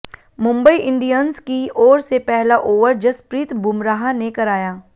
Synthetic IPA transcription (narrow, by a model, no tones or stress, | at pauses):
mʊ̃mbəiʔɪ̃ɳɖijənzkiɔːɾsepɛɦlaʔoːʋəɾd͡ʒɐspɾiːt̪bʱʊmɾaːɦanekɐɾaːjaː